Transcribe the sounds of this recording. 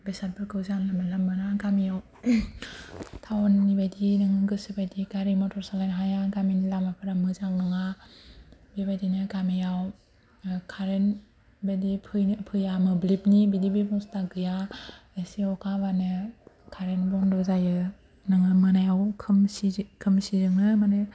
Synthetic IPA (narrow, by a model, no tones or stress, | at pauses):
besat̚pʰɯɾkʰɯwzanlamalamɯnaɡamijaw | tʰawnːibajdinɯŋɯɡɯsibajdiɡaɾimɔtʰɔɾsalanɦajaɡaminlamapʰɯɾamɯzawnɯŋa | bebajdinɯɡamijaw | kʰaɾen | bedipʰɯjnpʰɯjamɯblip̚nibidibibɔŋstaɡɯjaesiakʰaβanɯ | kʰaɾenbɔndɔzajɯ | nɯŋɯmɯnajawkʰɯmsikʰɯmsizɯŋɯmanaj